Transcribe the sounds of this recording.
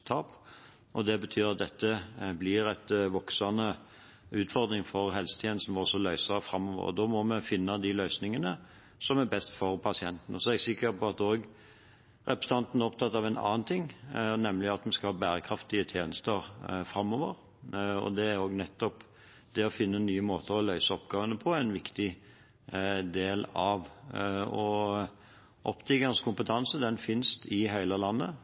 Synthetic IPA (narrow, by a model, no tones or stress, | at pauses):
t̪ʰɑːp | ʔɔd̪ɛbət̪ʰyːɾɑt̪̚d̪ɛt̪ːəblɪɾæt̪ʋɔksɑnə | ʉːt̪fɔɾd̪ɾɪŋfɔɾɦɛlsə̥t̪ʰjeːnəst̪n̩ʋɔsɔlœʏsɑfɾɑmːɔːʋə̰ʁɔ̰d̪oːmɔmɛfɪnːɑd̪ɪlœʏsnɪŋənə | sɔmæbɛst̪fɔɾpʰɑsɪɛnt̪n̩ɔsɔɛɡsɪkːəɾpʰɔɑt̪oːɡ | ɾɛpɾəst̪ʰɑnt̪n̩æɾɔpt̪ʰɑt̪ːɑʋɛnɑ̰ːnt̪ʰɪŋːnɛmlɪɑt̪mɛnskɑlhɑːbæːɾəkʰɾɑft̪ɪət̪ʰjeːnəst̪əɾfɾɑmːoːʋə̰ɾ | ɔ̰d̪ɛæɾoːɡnɛt̪ːɔp | d̪ɛɔfɪnːənːyːəmoːt̪ʰəɾɔlœʏsəɔpɡɑːʋənəpʰɔɛɪnʋɪkt̪ɪ | d̪eːlɑʋ | ɔ | ʔɔpt̪ʰɪɡɑnskʰʊmpət̪ʰɑnsəd̪ɛnfɪnst̪ɪɦæɪləlɑnːə̰